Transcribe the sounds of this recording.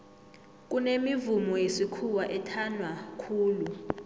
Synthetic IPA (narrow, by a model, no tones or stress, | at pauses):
k̬ʼunemivumɔjesikʰuwaʔɛtʰanwakʰuːlu